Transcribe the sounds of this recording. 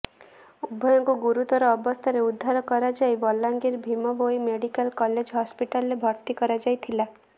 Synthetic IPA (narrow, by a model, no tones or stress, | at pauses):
ubʱːɔjɔŋkuɡuɾut̪ɔɾɔːbɔst̪ʰaɾeud̪ʱːaɾɔkɔɾad͡ʒajbɔlːaŋɡiɾbʱimɔbojmeɽikalkɔled͡ʒɦɔspiʈalːebʱɔɾt̪ikɔɾad͡ʒajt̪ʰila